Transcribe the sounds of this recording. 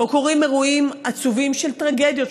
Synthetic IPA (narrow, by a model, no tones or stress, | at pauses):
bokoʁimeʁuimat͡suvimʃe̞lt̪ʁaɡe̞d̪jo̞t̪